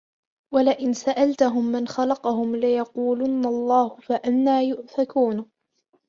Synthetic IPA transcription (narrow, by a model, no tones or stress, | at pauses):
walɪʔɪnsaʔalt̪ʊɦʊmːanxɑlɑqɑhʊmlɪjɑquːlʊnːalˤːɑːhʊfaʔanːaːjʊʔθakuːn